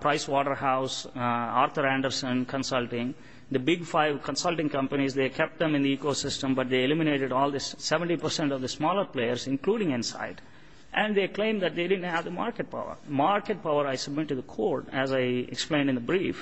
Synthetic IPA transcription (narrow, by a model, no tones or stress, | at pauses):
pɾaɪsʋɔːʈəɾhaʊsaːɾt̪ʰəɾæ̃ɳɖəɾsə̃nkʰə̃nsʌlʈɪ̃ŋ | d̪əbɪɡfaɪʋkʰə̃nsʌlʈɪ̃ŋkʌ̃mpənizd̪eːkʰɛp̚ʈ̚d̪ɛ̃mɪ̃nd̪iiːkoːsɪsʈə̃mbʌʈ̚d̪eelɪmɪneːʈɪɖɔːld̪əsɛʋə̃ɳʈipəɾsɛ̃ɳʈɔʋd̪əsmɔːləɾpleːəɾsɪ̃nkluːɖɪ̃ŋɪ̃nsa̰ɪɖ | ʔæ̃ɳɖd̪eːklẽɪ̃md̪æʈ̚d̪eːɖɪɖə̃n̩ɳʈhæʋd̪əma̰ːɾkeʈ̚pa̰ʊə̰ɾmaɾkeʈ̚paʊəɾaɪsʌb̚mɪʈːud̪əkʰoːɾʈɛzaɪɛ̰ksplẽɪ̃ɳɖɪ̃nd̪əbɾiːf